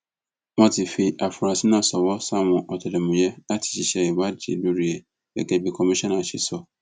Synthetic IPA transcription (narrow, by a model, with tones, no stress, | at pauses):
mã˦tʰɪ˨fi˨ʔa˨fʊ˨ɾa˨si˦nã˨sɔ˨wɔ˦sã˦mʊ̃˨ʔɔ˨tʰɔ˨lɛ˨mũ˨jɛ˦a˦tʰɪ̥˨ɕi˨ɕɛ˦ɛ˨wa˦d͡ʒḭ˨lu˦ɾi˨ɛ˨ | dɛ̰˨kɛ˨bi˨kʰɔ˨mi˦ʃɔ̃˦nã˨ɕɪ˨sɔ˦